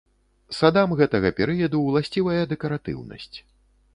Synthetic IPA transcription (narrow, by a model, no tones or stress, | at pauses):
sad̪amɣɛt̪ɐɣɐpʲɛɾɨjɐd̪ulˠasʲt͡sʲivɐjɐd̪ɛkɐɾat̪ɨ̰wnɐ̰sʲt͡sʲ